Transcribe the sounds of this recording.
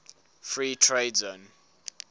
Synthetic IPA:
fɹiːtʰɹeɪdzõn

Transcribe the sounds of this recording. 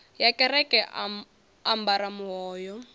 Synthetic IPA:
jakʼɛɾɛkʼɛʔ | ambaɾamuɔːjɔ

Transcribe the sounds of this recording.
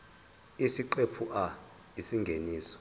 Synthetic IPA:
isiǃepʰuʔa | isiŋɡʱeniːsɔ̥

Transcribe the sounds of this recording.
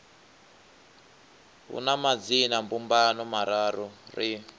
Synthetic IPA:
ɦṵnamad͡zinambumbanɔmaɾaɾɔri

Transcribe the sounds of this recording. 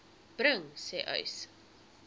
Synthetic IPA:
b̥ɾəŋsɛːʔœ̰ɥs

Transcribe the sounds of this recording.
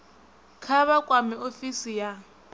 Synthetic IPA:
kʰaβakʼwamɪofisija

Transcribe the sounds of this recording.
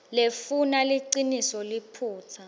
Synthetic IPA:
lefunaliǀinisɔlipʰuːt͡sʰa

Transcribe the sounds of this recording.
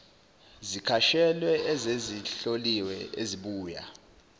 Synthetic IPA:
zikʰaʃɛlwɛʔɛzeziɬoliwɛeziɓuːja̰

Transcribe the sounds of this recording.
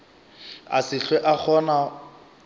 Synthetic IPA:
a̰sɪɬwɛʔak͡xʰɔna

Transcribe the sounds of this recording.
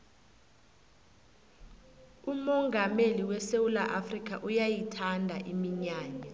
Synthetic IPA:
umɔŋɡʱameliwɛsewulaʔafrik̬ʰʼaʔujajitʰandʱaʔimiɲaːɲa

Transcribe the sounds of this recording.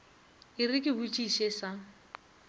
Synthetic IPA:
ɪrɪkʼɪbut͡ʃʼiʃesa

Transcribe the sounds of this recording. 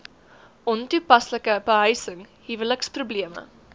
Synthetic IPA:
ʔɔntupɐsləkəbəɦœjsəŋɦivələksprubliəmə̰

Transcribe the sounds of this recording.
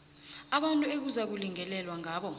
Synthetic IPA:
aɓantʼuek̬uzak̬uliŋɛlɛlwaŋʱaːɓɔ

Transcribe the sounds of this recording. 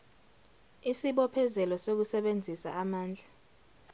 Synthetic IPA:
isiɓɔpʰɛzɛlɔsok̬usɛɓend͡zʱisa̰ːmaːnd͡ɮʱa

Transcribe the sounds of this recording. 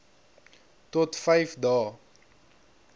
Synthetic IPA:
tɔtfɛjfdɑː

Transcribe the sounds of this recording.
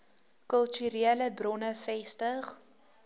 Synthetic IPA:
kəlˠtyɾiələbrɔnəfɛstəχ

